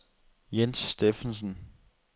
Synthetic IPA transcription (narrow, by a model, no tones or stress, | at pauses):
jensːd̥efənsən